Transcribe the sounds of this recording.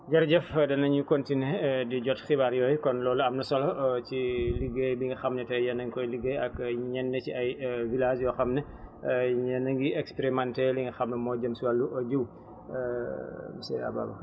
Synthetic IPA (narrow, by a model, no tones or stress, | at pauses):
ɟɐɾɟɛfdɐnɐɲukɔntinediɟɔtxibaɾjɔːjkɔnlɔːluɐmnɐsɔlɔciliɡejbiŋɡixɐmnɛtɛjɛnɐŋkɔjliɡejɐkɲɛnːɛciɐjvilasjɔxɐmnɛ | ɲɛnɐŋɡiʔɛkspɛɾimantɛliŋɡixɐmnɐmɔːɟɐmsuwɐlːuʔɔɟuw | msɛ̰ɐ̰ba̰ːbɐ̰